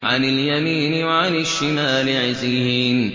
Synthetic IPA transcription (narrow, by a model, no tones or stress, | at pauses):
ʕa̰nɪljɐmiːniwɐʕanɪʃːinaːlɪʕɪziːɦiːn